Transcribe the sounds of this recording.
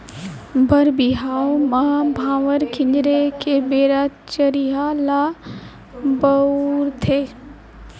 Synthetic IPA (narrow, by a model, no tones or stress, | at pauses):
bəɾbiɦaːomabʱãːʋəɾkʰɪ̃ɲd͡ʒɾekebeːɾat͡ʃəɾiɦala | bəuɾt̪ʰeː